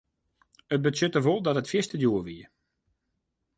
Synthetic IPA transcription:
ət̚bətsʏtəvolˠdɔtətfjɪstədjuəʋiə

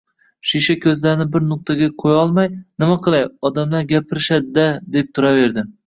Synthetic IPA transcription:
ʃiʃakʲʰɵzlaɾɪnɪbɪɾnʊq̚t̪ʰaɡʲaqʰojɒlˠmajnɪmaqʰɨlˠajɒd̪amlaɾɡʲapʰɪɾɪʃad̪ɪd̪ad̪e̞p̚t̪ʰʊɾave̞ɾd̪ɪ

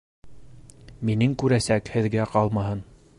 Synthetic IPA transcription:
minɘŋkʉɾæsækhɘ̆ðɡæqɑlˠmɑɦɤn

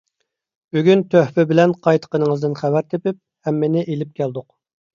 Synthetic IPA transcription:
byɡʲynt̪ʰøhpɪbɪlɛnqʰɑjt̪ʰə̥qənəŋəzd̪ɨnχævæɾt̪ʰepɪp̚hɛmːɪnɪʔelɪp̚kʲʰæld̪ʊq

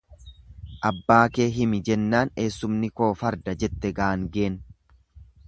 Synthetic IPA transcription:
ʔɐbːaːke̞ːɦɪmɪd͡ʒɛnːaːne̞ːsːʊmnɪko̞ːfɐɾd̪ɐd͡ʒɛt̪ːɛɡɐʔaŋɡe̞ːn

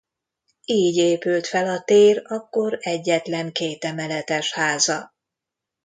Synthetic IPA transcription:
iːɟeːpylt̪fɛlɒt̪eːrɒkːo̞ɾɛɟːɛt̪lɛŋkeːt̪ɛmɛlɛt̪ɛʃhaːzɒ

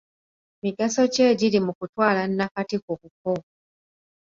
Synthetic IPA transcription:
miɡaso̞ce̞ːɟilimukutwaːlanːakatikokuko

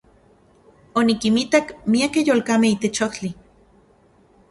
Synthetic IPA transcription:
onikimit̪akmiakejoːlkameit̪et͡ʃoht͡ɬi

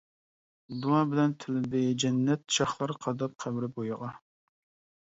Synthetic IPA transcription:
d̪uɑbɪlɛnt̪ʰɪlɪd̪ɪd͡ʒɛnːɛt̪̚ʃɑχlˠɑɾqʰɑd̪ɑp̚qʰæbɾɪbojɨʁɑ

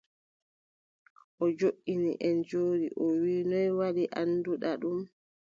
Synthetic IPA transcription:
ʔɔd͡ʒoʔːinḭʔɛnd͡ʒoːɗḭʔɔwiːnɔjwaɗiʔanːduɗaɗum

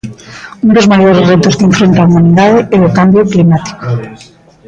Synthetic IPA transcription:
und̪ozmajoɾezret̪oskẽɱfɾent̪aumaniðaðeeokambjoklimat̪i̥ko̥

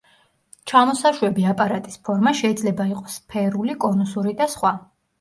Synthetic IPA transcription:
t͡ʃʰamɔsaʃwɛbiapʼaɾat̪ʼispʰɔɾmaʃɛid̪zlɛbaiqʼɔ̥sːpʰɛɾulikʼɔnɔsuɾid̪asχwa

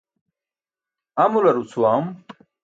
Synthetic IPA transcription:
ɐmulɐɾut͡sʰuwaːm

